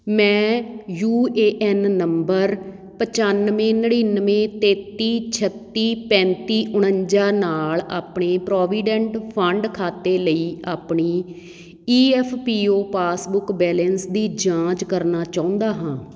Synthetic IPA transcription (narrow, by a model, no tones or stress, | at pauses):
mɛ̃ːjuːeːʔɛːnːəmbəɾ | pət͡ʃanʋẽːnəɽinʋẽːt̪eːt̪ːiːt͡ʃʰət̪ːiːpɛ̃ːnt̪iːʔʊɳ̃əɲd͡ʒaːnaːlaːpɳeːpɾɔːʋiːɖɛ̃ɳʈpʰəɳɖkʰaːt̪eːləiːaːpɳiː | iːɛpʰpiːoːpaːsbʊkbɛːlɛnsd̪iːd͡ʒãːt͡ʃkəɾnaːt͡ʃaːʊ̃nd̪aːɦãː